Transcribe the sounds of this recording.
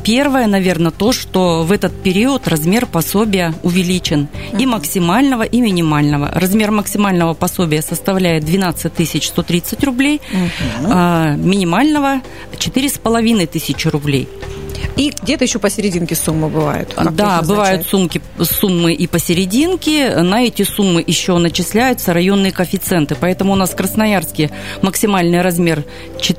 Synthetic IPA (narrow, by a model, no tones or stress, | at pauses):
pʲe̞rvəjənɐvʲe̞rnət̪o̞ʂt̪o̞vɛt̪ət̪̚pʲɪɾʲiʊət̪rɐzmʲe̞rpɐsobʲɪjəʊvʲɪlʲit͡ɕɪniməksʲɪmalʲnəvəʔimʲɪnʲɪmalʲnəvə̰rɐzmʲe̞rməksʲɪmalʲnəvəpɐso̞bʲɪjəsəst̪ɐvlʲæjɪt̪̚d̪vʲɪnat̪sɨt̚ʲt̪ɨsʲɪt͡ɕst̪o̞t̪ɾʲit̪sɨtʲrʊblʲej | mʲɪnʲɪmalʲnəvə | t͡ɕɪt̪ɨɾʲɪspəlˠɐvʲinəjt̪ɨsʲɪt͡ɕɪɾʊblʲḛj | iɡ̚dʲet̪əjɪɕːopəsʲɪɾʲɪdʲinkʲɪsumːɨbɨva̰jʊ̰t̪d̪abɨvajʊt̪sumkʲɪ | sumːɨʔipəsʲɪɾʲɪdʲinkʲɪnɐɛtʲɪsumːɨʔɪɕːo̞nət͡ɕɪsʲlʲæjʊt̪səɾɐjo̞nːɨjəkəfʲɪt̪sɛnt̪ɨpɐɛt̪əmʊʊnaskɾəsnɐjarskʲɪjməksʲɪmalʲnɨjɾɐzmʲe̞r | t͡ɕɪ